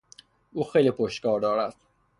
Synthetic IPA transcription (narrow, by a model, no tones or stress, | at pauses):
ʔuːxejliːpʰoʃt̪kɒːɾd̪ɒːɾæd̪̥